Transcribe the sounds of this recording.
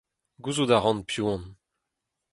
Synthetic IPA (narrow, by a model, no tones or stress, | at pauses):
ɡuzud̪aʁɑ̃npjuɔ̃n